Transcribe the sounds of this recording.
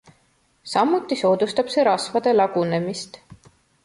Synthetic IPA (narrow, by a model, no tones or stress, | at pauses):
sɑmːut̪ːˑiso̞ːd̪̥ust̪ɑb̥se̞ɾɑsvɑd̪̥e̞lɑɡ̥une̞mist̪